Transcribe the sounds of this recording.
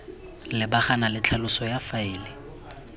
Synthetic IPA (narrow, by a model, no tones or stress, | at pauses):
lɪbaχanalɪt͡ɬʰalʊsɔjafaiːlɪ